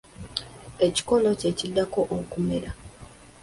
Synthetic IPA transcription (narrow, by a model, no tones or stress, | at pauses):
eci̥ko̞no̞cecid̪ːako̞ʔokume̞ɾa